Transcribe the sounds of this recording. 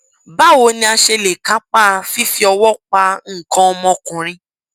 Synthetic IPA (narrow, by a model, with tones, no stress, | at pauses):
ba˦wo˧˦nĩ˧˦a˧ʃe˧le˨ka˨˦k͡pa˦˧fi˦fi˦ɔ˧wɔ˦˨k͡pa˧ŋ̩˦˨kɔ̃˧ɔ˧mɔ̃˧kũ˨ɾ̃ĩ˧